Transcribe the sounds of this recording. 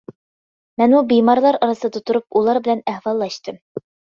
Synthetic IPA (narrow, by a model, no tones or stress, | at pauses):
mɛnmubimɑɾlˠɑɾɑɾɨsɨd̪ɑt̪ʰuɾup̚ulˠɑɾbɪlɛnæhwɑlˠːɑʃt̪ɨm